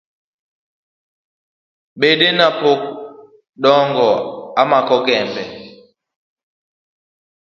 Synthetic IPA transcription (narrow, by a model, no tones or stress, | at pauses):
ɓeɗenapok̚ | ɗɔŋɡɔamakɔɡɛmbɛ